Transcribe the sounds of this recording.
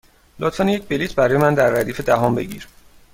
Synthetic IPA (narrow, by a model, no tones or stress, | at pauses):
lot̪fænjec̚ʰbelit̪ʰbæɾɒːjemænd̪æɾːæd̪iːfe̞d̪æɦɔmbe̞̰ɟḭɾ